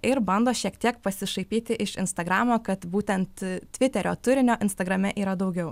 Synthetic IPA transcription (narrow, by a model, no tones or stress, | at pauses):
ɪɾbɐnd̪oːʃʲiɛkt̪ʲiɛkpɐsʲɪʃɐɪpʲiːt̪ʲɪʔɪʃɪnst̪ɐɡɾɑːmoːkɐt̪buːt̪ʲɛnt̪tʲʋʲɪt̪ʲɛɾʲo̰ːt̪ʊɾʲɪnʲoːʔɪnst̪ɐɡɾɐmʲɛʔiːɾɐd̪ɐʊɡʲɛʊ